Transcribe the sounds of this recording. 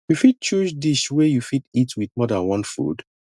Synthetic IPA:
jufit̚t͡ʃuʃdiʃwejufititwiðmɔdãnwɔ̃nfṵd̥

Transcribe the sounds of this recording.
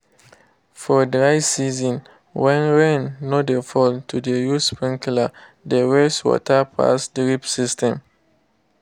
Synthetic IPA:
fɔdɹaɪsizɔ̃n | wɛ̃nɹɛ̃nːodefɔltʰudejuspĩŋkla | dewɛswɔ̰tʰapʰa̰sdɹipsistɛ̃m

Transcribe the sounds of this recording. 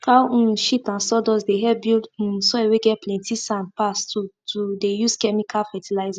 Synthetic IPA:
kaũʃitãnsɔdɔsdeɦɛbildũsɔɛweɡɛplɛ̃ntʰisãnpastutʰudejuskɛmikʰalfɛtilaɪza

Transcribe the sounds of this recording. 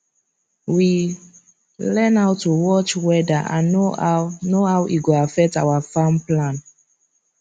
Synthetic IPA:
wi | lɛ̃nawtuwɔt͡ʃwɛdaʔã̰nonoawʔiɡoafɛk̚tawafamplãn

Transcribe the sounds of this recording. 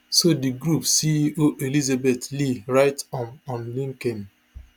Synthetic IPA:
sodiɡɹupsiiʔoʔelizabetliɹaɪtɔ̃mɔ̃nlĩŋkɛ̃n

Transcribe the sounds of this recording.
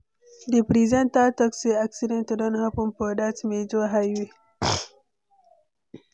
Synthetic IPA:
dipɾizɛntatɔkseaksidɛ̃ntudɔ̃nhapɔ̃npɔdasmed͡ʒoɦajwe

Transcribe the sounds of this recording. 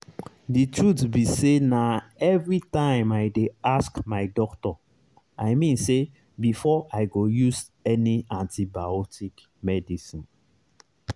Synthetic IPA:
ditʰɹutbisenaɛvɹitãɪ̃majdeaskmaɪdɔktɔ | aɪmĩnse | bifɔʔaɪɡojuz | ɛniãntibaɔtik | mɛdisĩn

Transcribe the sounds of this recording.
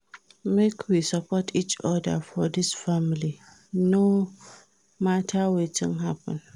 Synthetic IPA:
mekʰwisapɔtʰit͡ʃɔdə̰fɔdɪsfamili | no | matʰawetʰɪ̃nɦapə̰̃n

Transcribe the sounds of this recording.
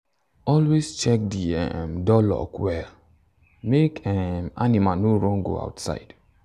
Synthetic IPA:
ɔlwest͡ʃɛk̚diɛ̰mdɔlɔ̰kwɛl | mekɛmanimanoɾɔ̃ŋɡo̰a̰ʊtsa̰ɪd̥

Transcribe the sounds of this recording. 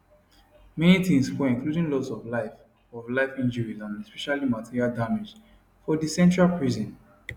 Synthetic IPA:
mɛnitĩŋsfɛĩŋkludĩnlɔsɔvlaɪf | ɔvlaɪfĩnd͡ʒəɹizãnɛspɛʃalimatʰiɹialdamed͡ʒ | fɔdisɛ̃nt͡ʃɹalpɹizɔ̃n

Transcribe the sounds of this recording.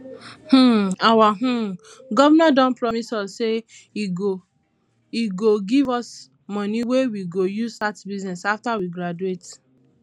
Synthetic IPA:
h̩awaɦ̩ | ɡɔvanadɔ̃npɹɔmisɔsːe | iɡo | iɡoɡivɔs | mɔ̃niwewiɡojuzatbiznɛsaftawiɡɾad͡ʒuet

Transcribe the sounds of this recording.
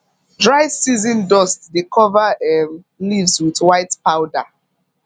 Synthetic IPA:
dɹaɪsizĩndɔstdekʰɔvaɛ | livzwiðwaɪtpaʊda

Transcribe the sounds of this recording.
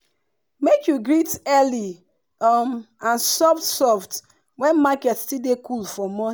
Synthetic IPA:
mekjuɡɹitɛli | mãnsɔfsɔft | wɛ̃nmakɛtstildekulfɔmɔ

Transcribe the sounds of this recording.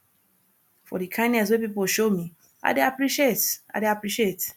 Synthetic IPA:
fɔ̰dikʰãɪ̃nɛs̬wepipol̩ʃomi | a̰ɪdeapɹiʃieta̰ɪdeapɹiʃiet

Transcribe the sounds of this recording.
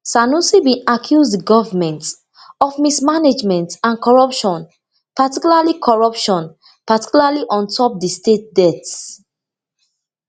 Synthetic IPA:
sanusibĩakʰjuzdəɡɔvəmɛ̃nt | ɔfmismaned͡ʒmɛ̃ntãnkʰɔɹɔpʃɔ̃n | patikjulalikʰɔɹɔpʃɔ̃n | pati̥kulaliʔɔ̃ntʰɔp̚distet̚dɛts

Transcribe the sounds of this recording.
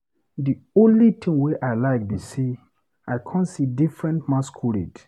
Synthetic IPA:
diõnlitʰĩŋweʔaɪlaɪk̚bise | aɪkʰãnsidifɹɛ̃ntmãskʰuɹḭt

